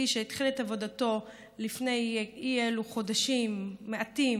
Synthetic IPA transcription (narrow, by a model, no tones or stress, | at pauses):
iʃeitχiletavo̞dato̞ | lifne̞jieluχo̞daʃimːeʔat̪im